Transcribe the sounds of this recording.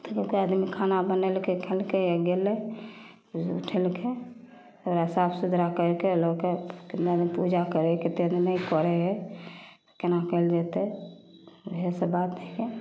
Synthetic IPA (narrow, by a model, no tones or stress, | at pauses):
t̪okekeəd̪mikʰanabənelkekʰelkeəɡelɛ | ṵʈʰelkʰe | oɾəsapsud̪ʱɾakəɾkelokekind̪əd̪mipud͡ʒakəɾeket̪eəd̪mɛikɔɾɛɦɛt̪o̥kenakəɪld͡ʒet̪e | bʱesəbat̪ɛke